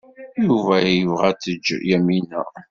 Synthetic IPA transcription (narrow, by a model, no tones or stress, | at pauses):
juvæjjəvʁæt͡sːəd͡ʒːjæmːinə̰ʁ